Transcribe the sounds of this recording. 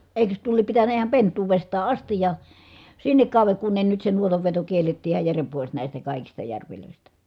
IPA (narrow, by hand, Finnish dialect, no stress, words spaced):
eˑi̯køs tuo liep pitænˑæ ihɑm pentˑuːʋestɑː ʔɑstij jɑ sinːek kɑˑu̞ʋeŋ kun ne nyt se nuotɑʋːeto kielːetːiː ihɑj jærem pois næˑistæ kɑˑikistɑ jærʋiløˑistæ